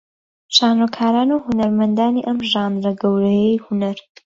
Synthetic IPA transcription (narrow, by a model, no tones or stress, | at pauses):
ʃaːnokʰaːɾaːnuhunɐɾmɐnd̪aːniːʔɐmʒaːnɾɐɡɐwɾɐjejhunɐɾ